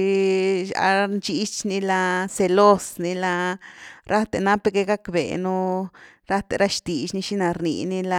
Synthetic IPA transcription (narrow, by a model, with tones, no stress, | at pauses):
ʃa̰˧nt͡ʃi˦t͡ʃni˧la˧se˧lo˦sni˧la˧ɾʔa˦t̪e˨na˦pe˧ɡe˧ɡa˦kbḛ˨nu˦ | ɾa˦t̪e˨ɾa˦ʃt̪i˨ʃni˦ʃi˦na˨ɾnḭ˨ni˦la˧